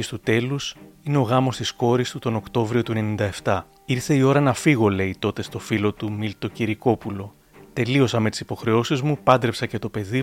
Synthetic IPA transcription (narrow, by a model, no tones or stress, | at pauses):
ist̪ut̪e̞lusine̞o̞ɣɐmo̞st̪isko̞ɾist̪ut̪o̞no̞kt̪o̞vɾio̞t̪ue̞ne̞nind̪ɐe̞ft̪ɐ | iɾθe̞io̞ɾɐnɐfiɣo̞le̞it̪o̞t̪e̞st̪o̞filo̞t̪umilt̪o̞ciɾiko̞pulo̞ | t̪e̞lio̞sɐme̞t̪i̥si̥po̞xɾe̞o̞sizmupɐnd̪ɾe̞psɐce̞t̪o̞pe̞ði